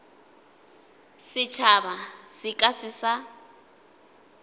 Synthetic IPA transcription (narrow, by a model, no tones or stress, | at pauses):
sɪt͡ʃʰabasɪkʼasɪsa